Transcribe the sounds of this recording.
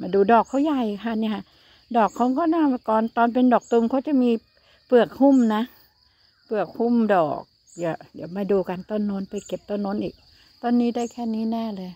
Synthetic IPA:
maː˧˩duː˧dɔː˨˩kʰːa˧˦˥wja˧˩jkʰaː˧˩ni˧˥˨kʰa˧˥˩ | dɔː˨˩kʰːa˦˥wkɔː˥˩naː˥˩˧kɔː˨nt̪ɔː˧npe˧ndɔː˨˩k̚t̪u˧mkʰa˦˥˩wt͡ɕa˨˩miː˧ | pɯ˨˩ək̚hu˥˩˨mna˦˥ | pɯ˨˩ək̚hu˥˩˨mdɔ̰ː˨˩k̚ | ja˧˩ja˨˩maː˧˩duː˧ka˧nt̪o˧˥˩nːo˦˥˨npa˧jke˨˩p̚t̪o˥˨nːo˦˥˨nʔiː˨˩k̚ | t̪ɔː˧˩˨nːiː˦˥daː˥˩jkʰɛː˥˩˨niː˦˥˨nɛː˥˩˨lɤː˧j

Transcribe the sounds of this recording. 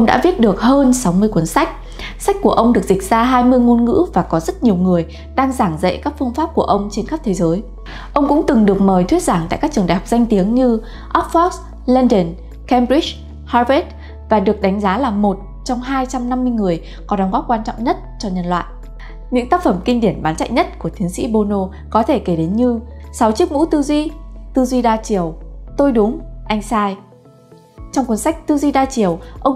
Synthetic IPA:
ʔʔə˧wŋ͡mɗa̰ː˧˥vi˦˥ət̚ɗɨ˨˩ək̚həː˧nsa˨˦wmɨ˧əjkwə˨˦ənsa˦˥jk̟̚ | sa˦˥k̟̚ku˧˩əʔə˧wŋ͡mɗɨ˨˩ək̚zï˨˩k̚z̥aː˧ɦaː˧jmɨ˧əjŋo˧nŋɨ̰˧˥vaː˨˩kɔ˨˦zə˦˥t̚ɲi˨˩əwŋɨ˨˩əj | ɗaː˧ŋzaː˧˩ŋzə̰˧˨kaː˦˥k̚fɨ˧əŋfaː˦˥p̚ku˧˩əʔə˧wŋ͡mt͡ɕe˧nxə˦˥p̚t̪ʰe˨˦zəː˨˦j | ʔə˧wŋ͡mkʊ̰˧˥ŋ͡mt̪ɨ˨˩ŋɗɨ˨˩ək̚məː˨˩jt̪ʰwi˦˥ət̚zaː˧˩ŋt̪a̰ː˧˨jkaː˦˥k̚t͡ɕɨ˨˩ŋɗaː˨˩jhk͡p̚za˧jŋ̟t̪i˨˦əŋɲɨ˧ | ʔɔ˦˥p̚fɔ˦˥k̚s | lɛ˧nɗə˨˩n | kɛ˧mɾi˦˥t͡ɕ | haː˧ve˦˥t̚ | vaː˨˩ɗɨ˨˩ək̚ɗa˨˦jŋ̟zaː˨˦laː˨˩mo˨˩t̚ | t͡ɕɔ˧wŋ͡mɦaː˧jt͡ɕa˧mna˧mːɨ˧jŋɨ˨˩əj | kɔ˨˦ɗɔ˨˦wŋ͡mɣɔ˦˥p̚kwaː˧nt͡ɕɔ̰˧˨ŋ͡mɲə˦˥t̚t͡ɕɔ˧ɲə˧nlwa̰ː˧˨jʔ | ɲɨ̰˧˥ŋt̪aː˦˥k̚fə˧˩mki˧ŋ̟ɗi˧˩ənɓaː˨˦nt͡ɕa̰˧˨jɲə˦˥t̚ku˧˩ət̪ʰi˨˦əŋsḭ˧˥ɓo˧no˧ | kɔ˨˦t̪ʰe˧˩ke˧˩ɗe˨˦nɲɨ˧sa˨˦wt͡ɕi˦˥ək̚mṵ˧˥t̪ɨ˧zwi˧t̪ɨ˧zwi˧ɗaː˧t͡ɕi˧˩əwt̪o˧jɗʊ˨˦ŋ͡mʔa˧jŋ̟saː˧j | t͡ɕɔ˧wŋ͡mkwnsa˦˥jk̟̚t̪ɨ˧zwi˧ɗaː˧t͡ɕi˧˩əwʔə˧wŋ͡m

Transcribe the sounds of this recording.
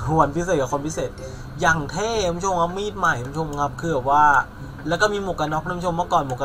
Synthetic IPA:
u˨˩ə˦npʰi˦˥s̬eː˨˩t̪̚ka˨˧˩kʰːmpʰi˦˥seː˨˩t̪̚ | jaː˨˩ŋt̪ʰɛː˥˩a˧pːʰo˧mŋa˦˥p̚miː˥˩t̪̚ma˨˩jka˧˦˧u˥o˧m˧ŋa˦˥p̚kʰɯː˧˩bɛ˨˩waː˥˩ | lɛː˦˥kɔː˥˩miː˧mo˨˩kːa˧nɔ˦˥k̚ːʰo˧mːɯ˥˩kɔː˨˩nmo˨˩ka˧

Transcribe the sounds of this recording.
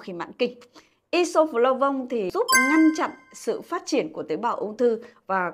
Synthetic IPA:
xi˧˩ma̰ː˧˨nkï˨˩ŋ̟ | ʔi˧so˧flo˧wvə˧wŋ͡mt̪ʰi˨˩zu˦˥p̚ŋa˧jŋ̟t͡ɕa̰˧˨nsɨ̰˧˨faː˦˥t̚t͡ɕi˧˩ənku˧˩ət̪i˨˦jɓaː˧˩wʔə˧wŋ͡mt̪ʰɨ˧vaː˨˩

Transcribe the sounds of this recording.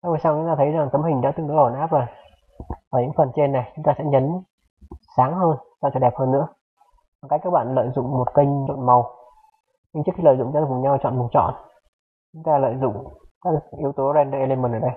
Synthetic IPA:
ʔa˧vəː˨˩saː˧wt͡ɕʊ˨˦ŋ͡mt̪aː˧ə˨˦jza˨˩ŋt̪ə˨˦mhï˨˩ŋ̟ɗa̰ː˧˥t̪ɨ˧˨˩ɗɨ˨˧˦o˨˩nʔaː˦˥p̚za˨˩j | vaː˨˩ɲɨ̰˧˥ŋfə˨˩nt͡ɕe˧nːa˨˩jt͡ɕʊ˨˦ŋ͡mt̪aː˧sɛ̰˧˥ɲə˨˦n | saː˨˦ŋhəː˧nsa˧wt͡ɕəː˧˩ɗɛ˨˩p̚həː˧nːɨ̰˧˥ə | vaː˨˩kaː˨˦˥kaː˦˥k̚ɓa̰ː˧˨nlə̰ː˧˨jzʊ̰˧˨ŋ͡mmo˨˩t̚kə˧jŋ̟o̰˧˨nma˨˩w | ɲɨ˧ŋt͡ɕɨ˦˥kxi˧lə̰ː˧˨jzʊ̰˧˨ŋ͡mt͡ɕa˧˦kɲa˧wt͡ɕɔ̰˧˨nmu˨˩t̚t͡ɕɔ̰˧˨n | t͡ɕʊ˨˦ŋ͡mt̪aː˧lə̰ː˧˨jzʊ̰˧˨ŋ͡mkaː˦˥kʔi˨˦əwt̪o˨˦zɛ˧nɗəː˧˩ʔe˧le˧mə˨˩nʔəː˧˩ɗə˧j

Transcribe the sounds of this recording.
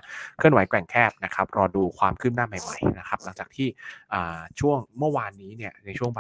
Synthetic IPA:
kʰɯ˥˩ənwa˨˦jklɛ˨˩ŋkʰɛː˥˩p̚na˦˥kʰa˦˥p̚ɾɔː˧duː˧kʰwaː˧mkʰɯː˥˩p̚naː˥˩ma˨˩jma̰˨˩jna˦˥kʰa˦˥p̚la˩˦ŋt͡ɕaː˨˩k̚t̪ʰiː˥˩ʔɤː˨˩t͡ɕʰu˥˩əŋmɯ˥˩waː˧nːiː˦˥ni˥˩əna˧jt͡ɕʰu˥˩əŋb

